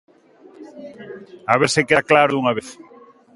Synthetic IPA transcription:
aβeɾsekeðaklaɾouŋaβeθ

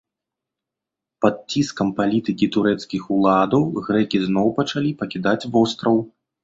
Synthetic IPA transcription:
pɐd̪̚t͡sʲːiskɐmpalʲit̪ɨkʲit̪uɾɛt̪skʲixulˠad̪ɐwɣɾɛkʲiznɔwpɐt͡ʂalʲipɐkʲid̪at͡sʲvɔst̪ɾɐw

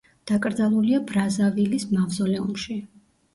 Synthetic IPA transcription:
d̪̥akʼɾd̪zalˠuliabɾazavilismavzɔlɛumʃi

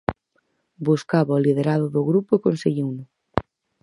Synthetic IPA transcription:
buskaβaoliðeɾaðʊðʊɣɾupʊekonseɣiwnʊ

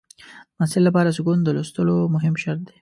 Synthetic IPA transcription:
d̪əmasɪllapɑɾasʊɡund̪əlost̪əlomʊɦɪmʃaɾt̪̚d̪e̥

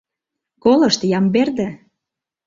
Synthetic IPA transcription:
kolɤ̆ʃt̪jɑmberd̪ə̆

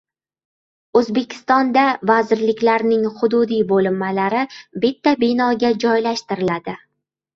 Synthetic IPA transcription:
ɵzbe̞kʲʰɪ̥st̪ɒnd̪avazɪɾlɪkʲlaɾnɪŋχʊd̪ʊd̪ijbolɪmːalaɾɪbɪt̪ʰːabɪnɒɡʲad͡ʒɒjlaʃt̪ɪɾɪlad̪ɪ

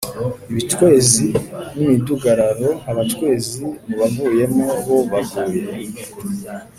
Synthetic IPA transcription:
iβitwe̞ːzinimiduɡaɾaɾo̞haβatwe̞ːzimiβavuːje̞moβo̞βavuːɾe

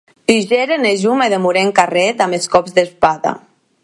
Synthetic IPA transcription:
t̪iʒeɾeneʒumeðemuɾeŋkarɛt̪ameskɔpzðespaða̰

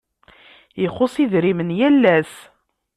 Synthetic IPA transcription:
jəχʊsˤiðɾimənjælːæs

